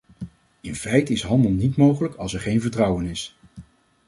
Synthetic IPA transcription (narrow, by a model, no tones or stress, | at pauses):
ɪnfɛjtəɪsɦɑndəlˠnitmowχələkɑlˠsɛɹχejnvəɹtrɑwənɪs